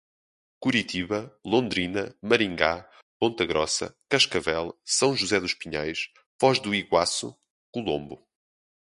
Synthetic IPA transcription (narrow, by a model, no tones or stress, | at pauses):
kuɾit̪ʰiβɐlˠõnd̪ɾinɐmɐɾĩŋɡa | põnt̪ɐɣɾɔsɐ̰kɐʃkɐvɛlˠsɐ̃w̃ʒuzɛðuʃpiɲajʃ | vɔʒðuiɣwasṵ | kulˠõmbu